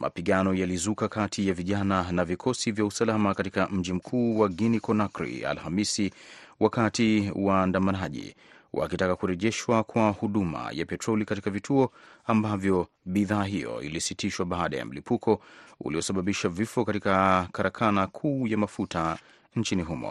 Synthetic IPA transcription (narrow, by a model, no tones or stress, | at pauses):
mʔa̰piɠanɔjalizukakatʰijaviʄananavikʰɔsivjausalamakatikam̩ʄim̩kʰuːwaɡinikɔnakɾḭa̰lhamisiwʔakatiwaːndamanaʄḭ | wʔa̰kitakakuɾɛʄɛʃwakwahuɗuma̰ja̰pɛtɾɔlikatikavitʰuɔambavjɔ | ɓiðaːɦijɔ̰ḭlisitʰiʃwaɓaːɗa̰ja̰m̩lipukʰɔṵliɔsaɓaɓiʃavifɔkatikakaɾakʰanakʰuːjamafutʰa | ɲ̩t͡ʃiniɦumɔ̰